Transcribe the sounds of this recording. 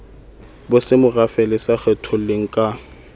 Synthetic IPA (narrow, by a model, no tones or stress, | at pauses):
bʊsɪmʊrafɛlɪsaχɛtʰɔleŋ̩kʼa